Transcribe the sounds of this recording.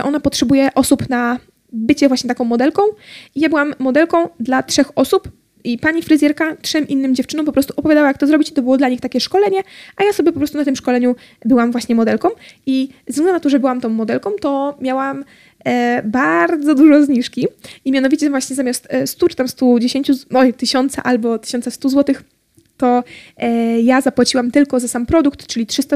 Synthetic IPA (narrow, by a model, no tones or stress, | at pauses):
ɛʔɔnapɔtʂɛbujɛʔɔsupna | bɘt͡ɕɛvwaɕɲɛt̪akɔ̃w̃ːɔd̪ɛlkɔ̃w̃ijabɘwamːɔd̪ɛlkɔ̃w̃d̪latʂɛxɔsup | ʔipaɲifɾɨzʲjɛɾkatʂɛmʔinːɘmd͡ʑɛft͡ʂɘnɔ̃p̬ɔpɾɔst̪uʔɔpɔvjad̪awajakt̪ɔzɾɔbʲit͡ɕi̥t̪ɔbɘwɔd̪laɲixt̪akʲɛʂkɔlɛɲɛʔajasɔbjɛpɔpɾɔst̪unat̪̬ɘmʂkɔlɛɲu | bɘwamvwaɕɲɛmɔd̪ɛlkɔ̃w̃izɡnɛnat̪ɔʐɛbɘwamt̪ɔ̃w̃ːɔd̪ɛlkɔ̃w̃t̪ɔmʲjawam | baɾd̪zɔd̪uʐɔzɲiʂkʲiimʲjanɔvʲit͡ɕɛvwaɕɲɛzamʲjast̪st̪ut͡ʂɘ̥t̪amst̪ud͡ʑeɕeɲt͡ɕuɔt̪ɘɕɔnt̪sa̰ʔalbɔt̪ɘ̥ɕɔntsast̪uzwɔt̪ɘx | t̪ɔ | jazapwat͡ɕiwamt̪ɘlkɔzasampɾɔd̪uk̚t̪t͡ʂɘlʲitʂɘst̪a